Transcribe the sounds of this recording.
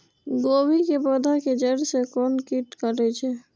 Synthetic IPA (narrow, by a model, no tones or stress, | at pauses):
ɡoːbʱikepəd̪ʱaked͡ʒəɾsekɔːnkiʈkəɾet͡ʃʰɛ